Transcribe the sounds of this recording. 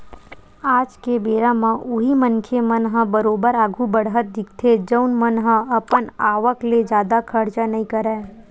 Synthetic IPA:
aːd͡ʒkebeːɾãmãʔʊɦimənkʰemənɦə̃bəɾoːbəɾaːɡʱubəɽɦət̪̚d̪ɪk̚ʰt̪ʰed͡ʒəʊnmənɦə̃ɐpənaːʋəkled͡ʒjaːd̪akʰəɾt͡ʃanɐɦĩkəɾɛː

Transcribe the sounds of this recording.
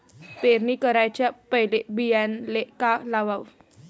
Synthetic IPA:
peɾnikəɾajt͡ɕjapəɦilebijanlekalaʋaw

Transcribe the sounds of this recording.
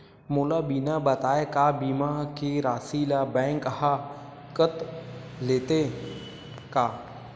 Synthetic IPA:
mʊːlabiːnabɐt̪aːekaːbiːmakiɾaːsiːlabɛ̃ːŋkha | kət̪ | leːt̪e | kaː

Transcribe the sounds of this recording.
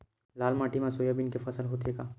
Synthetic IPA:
laːlmaːʈimãsoːjabɪnkefɐsəlɦoːt̪ekaː

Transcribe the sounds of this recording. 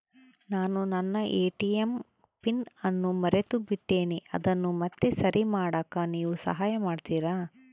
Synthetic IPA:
naːnunɐnːɐʔeːʈijem | pinɐnːumɐɾet̪ubiʈːeːniʔɐ̰d̪ɐnːumɐt̪ːesɐɾʔimaːɽaːkaːniːʋusɐ̰ɦaːjɐmaːɖt̪iːɾaː

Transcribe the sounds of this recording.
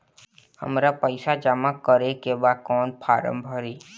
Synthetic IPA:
hə̰mɾapəɪsad͡ʒamakəɾekebakɔːnpʰaːɾə̰̃mbʱəɾiː

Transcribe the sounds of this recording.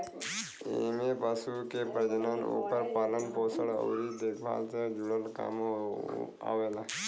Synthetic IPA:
emebasukepɾəd͡ʑnano̰pəɾpalənpɔsəɽə̰wɾid̪ekbʱa̰t͡səd͡ʑuɽəlka̰m | a̰ʋela

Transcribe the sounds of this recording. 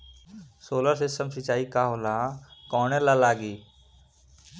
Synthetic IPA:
soːləɾsɪsəmsɪt͡ʃaːikaɦoːlakɔːnẽlalaːɡiː

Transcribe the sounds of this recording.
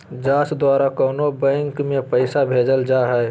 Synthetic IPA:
d͡ʒaːsd̪waːɾakɔːnobɛ̃ŋkmẽpəɪsabʱeːd͡ʒəld͡ʒaɦɛ

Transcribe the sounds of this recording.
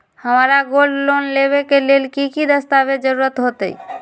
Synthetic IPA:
həmaɾaɡollonlebekelelkikid̪əst̪abed͡ʒəɾuɾət̪ɦot̪ə̰i

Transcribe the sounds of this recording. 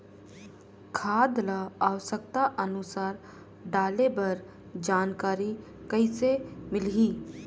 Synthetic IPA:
kʰaːd̪laaːwəsək̚t̪aʔənʊsaːɾ | ɖaːlebɐɾ | d͡ʒaːnkaːɾi | kəɪsemɪlɦiː

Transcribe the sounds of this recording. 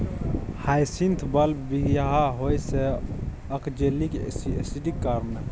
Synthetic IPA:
hajsint̪ʰbəlbiɡjaɦaɦojse | əkd͡ʒeliksesiɖikːaɾme

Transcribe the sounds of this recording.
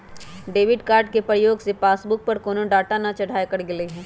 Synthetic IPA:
ɖeːʋɪɖkaːɾɖ̚kepɾəjoːɡsepaːsbʊk̚pɐɾkoːnõɖaːʈanɐt͡ʃɐɽʱaːjekɐɾɡɪleɦɛ̃ː

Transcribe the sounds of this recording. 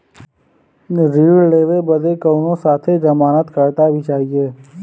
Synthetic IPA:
ɾiːɽleːʋebəd̪ekəːnõsaːt̪ʰed͡ʒəmaːnət̪kəɾt̪abʱit͡ʃaːɦieː

